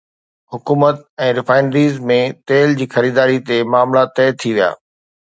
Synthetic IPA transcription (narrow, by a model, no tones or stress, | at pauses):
hʊkuːmət̪̚ɛ̃ːɾɪfaːɪnɖɾiːzmẽt̪eːld͡ʑiːxɐɾiːd̪aːɾit̪emaːmlat̪ɛːt̪ʰiʋija̰ː